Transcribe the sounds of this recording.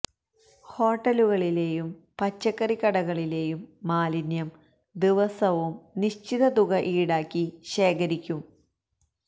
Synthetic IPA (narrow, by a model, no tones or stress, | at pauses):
ho̞ːʈːɐluɣɐɭile̞ːjumpɐt͡ɕːɐkːɐrikːɐɽɐɣɐɭile̞ːjumːaːlinjɐm | d̪iʋɐsɐʋumniɕt͡ɕiðɐt̪uɣɐʔiːɽaːkʲːiɕeːkɐɾikʲːum